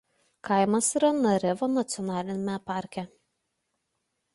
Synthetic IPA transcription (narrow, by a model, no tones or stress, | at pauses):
kɐɪmɐsiːɾɐnɐɾʲɛʋoːnɐt̪sʲɪɔnɑːlʲɪnʲmʲɛpɑˑɾʲkʲɛ